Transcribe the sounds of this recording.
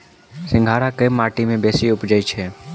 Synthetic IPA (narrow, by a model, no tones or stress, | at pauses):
sɪ̃ŋɡʱaːɾakəjmːaːʈimẽbeːsiʊpd͡ʒəit͡ʃʰe